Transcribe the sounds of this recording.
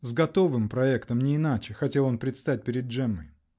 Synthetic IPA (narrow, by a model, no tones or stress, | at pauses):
zɡɐt̪o̞vɨmpɾɐɛkt̪əmnʲɪːnat͡ɕɪxɐtʲe̞lˠo̞npɾʲɪt̪st̪at̚ʲpʲɪɾʲɪd̪̚ʐɛmːɨ̰j